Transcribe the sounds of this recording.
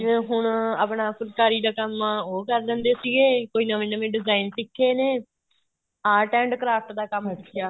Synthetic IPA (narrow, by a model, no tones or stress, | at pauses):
d͡ʒɪẽːɦʊɳa̰ːpɳãːkʊɾkaːɾiːd̪aːkəmːoːkəɾd̪ə̃ːnd̪eːsiɡeːkoːiːnəʋẽːnəʋẽːɖɪzaːinsɪkʰːeːneː | aːʈɛ̃ːɳɖkəɾaːɾʈ̪d̪aːkəməkʰːɪjaː